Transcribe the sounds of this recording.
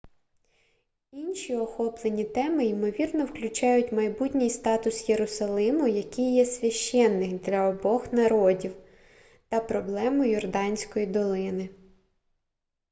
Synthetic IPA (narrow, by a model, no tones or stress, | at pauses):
inʲʃʲiɔxɔplˠenʲit̪ɛmɪimɔʋʲirnɔwklʲʊt͡ʃɑjʊtʲmɐjbutʲnʲijst̪ɑt̪ʊsjeɾʊsɐlˠɪmʊjɐkɪjːɛsʲʋʲɐʃt͡ʃːɛnːɪkd̪lʲɐɔbɔxnɐɾɔdʲiw | t̪ɐpɾɔblˠɛmʊjɔrd̪ɑnʲsʲkɔjid̪ɔlˠɪnɪ